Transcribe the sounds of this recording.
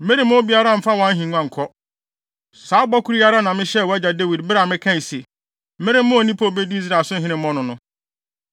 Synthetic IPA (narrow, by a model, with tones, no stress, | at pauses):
m̩˦mẽ˦ɾɪ̃˨˦m˦ʊ̃˦bi˦a˦ɾa˦˨m̩˦fa˦wã˦n˦ɦĩ˨ŋ˦ã˦ŋ̩˨kʰɔ˦ | saː˨˦bɔ˦kʰu˦ɾi˦a˦ɾa˦nã˨mɪ̃˦ɕɛ˦˨wɔ˨æ˦d͡ʑa˨de˦wi˨dbɪ˦ɾa˨mɪ̃˦kʰã˦˨si˨ | m̩˦mɪ̃˦ɾɪ˦m̩˦mʊ̃˦o˨nĩ˦pʰo˦˨be˦di˦i˦s̬ɾa˨sʊ̃˦ɦɪ̃˦nɪ̃˦m̩ː˦ɔ̃˦nʊ̃˦nʊ̃˦